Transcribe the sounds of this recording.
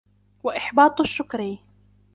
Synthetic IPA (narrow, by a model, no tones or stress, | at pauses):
waʔɪħbɑːt̪ˤaʃːʊkɾiː